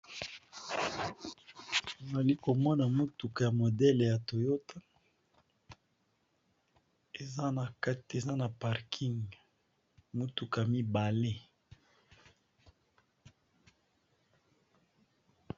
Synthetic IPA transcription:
to˨za˨li˦ko˨mɔ˦na˨mu˦tu˨ka˨ja˨mo˨dɛ˦le˨ja˨to˨jo˦ta˦ | e˨za˦na˨ka˦te˨za˦na˨pa˨ʁkʰi˦ŋɡ | mu˦tu˨ka˨ja˨mi˦ba˨le˦

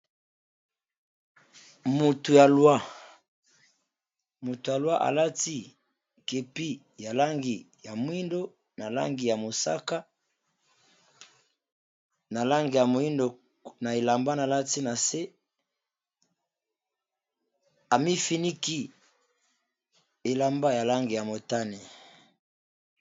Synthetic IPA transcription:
mu˨tu˨ja˨lwa˦˨ | mu˨tu˨ja˨lwa˦ʔa̰˨la˦ti˦ | ke˨pi˦ | ja˨la˦ŋɡi˨ | ja˨mwi˦ndo˦ | na˨la̰˦ŋɡi˨ja˨mo˨sa̰˦ka˦ | na˨la˦ŋɡi˨ja˨mo˨i˦ndo˨ | na˨e˨la˨mba˦na˨la˦ti˦na˨se˦ | a˨mi˦fi˦ni˦ki˦ | e˨la˨mba˦ja˨la˦ŋɡi˨ja˨mo˨ta˦ni˨

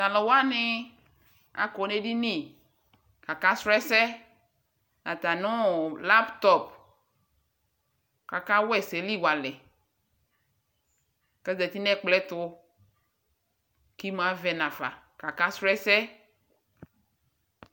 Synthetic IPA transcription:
t̪a˨lɔ˨wa˦nɪ˦ | a̰˨kɔ˨ne˦ɖi˦nĩ˦˨ | ka˨ka˦sɾɛ˦sɛ˦ | nã˨t̪a˨nʊ̃˦la˦pt̪ɔ˦p̚ | ka˨ka˦wɛ˦se˨li˦˨wa˨lɛ˨ | kɛ˦zɛ˨t̪i˦nɛ̃˦k͡plɛ˦t̪ʊ˦ | ki˦m˦˨a˨vɛ˨nã˨fa̰˨ka˨ka˦sɾɛ˦sɛ˦

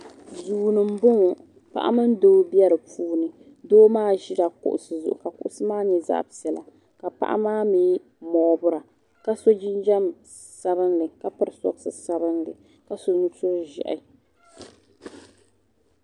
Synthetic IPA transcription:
zuː˨nɨ˨m̩˦bʊ˦ŋ˨ | pa̰˦ʔa̰˦mɨ˦n˦doː˦bi˦ɛ˦ɾɨ˨puː˦nɨ˨ | doː˦maː˦ʒi˦da˨kʊ̰˨ʔʊ̰˨sɨ˨zʊ̰˨ʔʊ̰˨ka˨kʊ̰˦ʔʊ˦sɨ˦maː˦ɲɛ˨za̰˦ʔbsɛ˨la̰˨ | ka˨pa̰˦ʔa̰˦maː˦mi˦ | mɔ˨˦bʊ˦ɾa˨ | ka˦so˦d͡ʒi˦nd͡ʒa˦m | sa˦βɨ˦nlɨ˨ka˦pɨ˦ɾɨ˨sɔ̰˦bsɨ˨sa˦bɨ˦nlɨ̰˨ | ka˨so˦nu˦tʊ˦ɾʒɛ̰˨ʔɪ̰˨

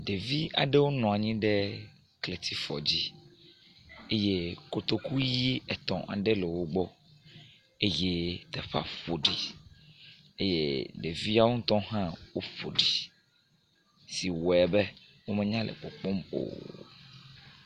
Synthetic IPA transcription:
ɖe˨vi˦a̰˨ɖe˦wo˦nɔ̃˨a˨ɲĩ˦ɖe˦ | kle˨t̪i˦fɔ̰˨d͡ʑi˦ | e˦je˦ko˨t̪o˦ku˦ji˦ɛ˨t̪ɔ̰̃˨ʔa̰˨ɖe˦le˨wo˦ɡ͡bɔ˦ | e˦je˦t̪ɛ˨ɸa̰˦ɸo˨ɖi˨ | e˦jḛ˦ɖe˨vi˦a˦wo˦t̪ɔ̃˦ɦã˦wo˦fo̰˨ɖi˨ | si˨wɛ˨bɛ˦ | wo˦mɛ˦ɲã˦lʔḛ˨k͡pɔ˨k͡pɔ˦mo̰˨

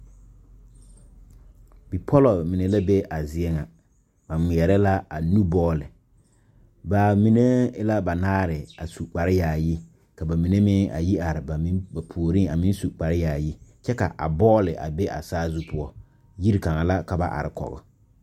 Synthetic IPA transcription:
bi˨pʰɔ˦lɔ˨mɪ˨ne˨la˦be˦a˨zɪ˦ɛ˦ŋa˨ | ba˨ŋi˨ɛ˨ɾɛ˦la˦a˨nu˦bɔː˦lɪ˨ | baː˨mi˨ne˦la˦ba˨naː˦ɾɪ˨a˨su˨k͡pa˨ɾɪ˦jaː˨ji˦ | ka˨ba˨mi˨ne˦mɪ˦ʔa̰˨ji˦a˨ɾɪ˨ba˨mɪ˦ba˨pʰu˨o˨ɾi˦a˨mi˦n˦su˨k͡pa˨ɾɪ˦jaː˨ji˦t͡ʃɛ˦ka˨ʔa̰˨bɔː˦lɪ˨ʔa̰˨be˦ʔa̰˨saː˦zu˦pʊ˦ɔ˦ | ji˦ɾi˨ka˨ŋa˨la˦ka˨ba˨ʔa̰˨ɾɪ˨kɔ̰˨ɣʊ̰˦

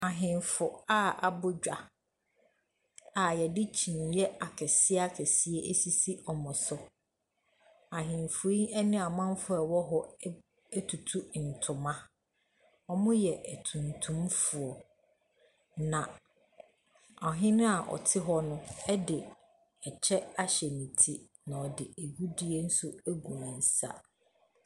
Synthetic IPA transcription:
a˨ɦɪ̃˨nfʊ˨a˦ʔa˨bʊ˦d͡ʑᶣa˨ | a˨jɛ˨dɪ˦t͡ɕʰĩ˨n˨jɛ˦a˨kʰɛ˨sɪ˦a˦kʰɛ˨si˦e˦ʔe˦si˦si˦ɔ˨mʊ̃˨sʊ˦ | a˨ɦɪ̃˨nfʊ˨i˦ɛ˦nɪ̃˦a˨mã˦m˦fʊ˦ɛ˨wɔ˦ɦɔ˦ | tʰu˨tʰu˦n̩˨tʰʊ̃˨mã˦ | ɔ˦mʊ̃˦jɛ˨ʔæ˨tʰũ˨n˨tʰũ˦mfʊ˨ɔ˨ | nã˨ | ɔ˨ɦɪ̃˦nʊ̃˦a˨ʔɔ̰˨tʰɪ˦ɦɔ˦nʊ̃˦ɛ˦dɪ˨ | ɛ˨t͡ɕʰɛ˦a˦ɕɛ˨nĩ˨tʰi˦ | nã˨ɔ˨dɪ˨e˨ɡu˦di˦e˦n̩˦sʊ˦æ˦ɡũ˨nã˨n̩˨sa̰˦

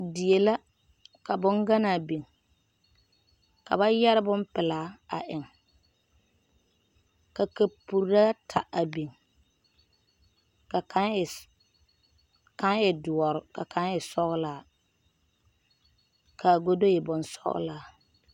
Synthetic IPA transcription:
dɪ˨e˨la˦ | ka˨bʊ˦ŋɡa˦naː˨bi˨ŋ | ka̰˨ba˦jɛ˦ɾɪ˦bʊ˦m˦pɪ˨laː˦a̰˨ʔɪ˨ŋ | ka˨ka˨pu˨ɾɾa˦tʰa̰˨ʔa˨bi˨ŋ | ka˨ka˦n˨ | ka˦ŋɪ˨dʊ˨ɔ˨ɾʊ˨ka˨kʰa˨˦ŋɪ˨sɔ˦ɣʊ˦laː˨˦˨ | kʰa˨ɡo˦do˦jɛ˨bʊ˨nsɔ̰˦ɣʊ̰˦laː˨˦˨

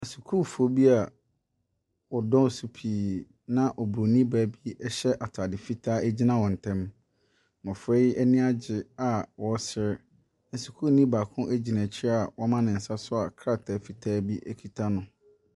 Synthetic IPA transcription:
a˨su˨kʰu˦˨fu˨o˦bi˦a˨ | wɔ˨dɔ̃˦˨su˨pʰiː˨ | nã˦ʔɔ˨bu˨ɾo˨nĩ˦bæː˨˦bi˦ɛ˦ɕɛ˦ʔa˨tʰa˨dɪ˨fi˦tʰaː˦æ˦d͡ʑi˦nã˦wɔ˨n̩˨tʰɛ̃˦m | mɔ̃˨fɾe˦ɛ˦nĩ˦a˦d͡ʑɪ˨a˨wɔ˨˦sɪ˦ɾ | n̩˨su˨kʰu˦˨nĩ˦baː˨kʰʊ̃˦ʔæ˦d͡ʑi˨nã˨t͡ɕʰɪ˦a˨wɔ˦mã˦nɪ̃˨n̩˨sa˦sʊ˦a˨kʰɾa˦˨tʰa˨fi˨tʰaː˦bi˦ʔɛ˦kʰi˨tʰa˦nʊ̃˨

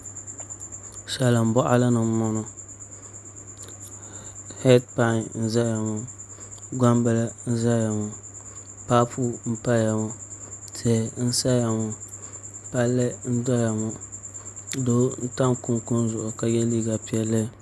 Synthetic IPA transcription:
ʃɛ˨la˨m̩˨bɔ˦ʔa̰˦la˦nɨ˨m˦mɔ˦nʊ˨ | hɛ˦d̚pa˦ŋ˨n̩˦za˦ja˨ŋʊ˨ | ɡʷa˦mbɨ˨lɨ˦n̩˦za˦ja˨ŋʊ˨ | pa˦pʰu˦m̩˦pa˦ja˨ŋʊ˨tɛ˨n̩˦sa˦ja˨ŋʊ˨ | pa˦lːɨ˦n̩˦dɔ˦ja˨ŋu˨ | do˦n̩˦ta˦ŋku˦nkʊ˦n˦zʊ˨ʔʊ˨ka˨jɛ˦liː˦ɡa˨pi˦ɛ˦lːɨ˦˨

